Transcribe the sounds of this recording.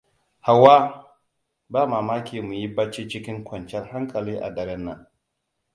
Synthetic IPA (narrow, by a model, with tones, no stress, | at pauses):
ha˨waː˦ | baː˦maː˨maː˦kʲiː˨mu˨ji˦ba˦t͡ʃiː˦t͡ʃɪ˦kʲɪ˦ŋkʷɔ˨nt͡ʃɛ˦rha˦ŋkʼɐ˨liː˦ʔa̰˨dɐ˨ɾɛ˦nːɐ˨n